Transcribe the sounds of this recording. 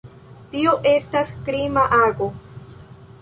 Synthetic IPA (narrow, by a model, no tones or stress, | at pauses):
tioʔe̞staskɾimaʔaɡo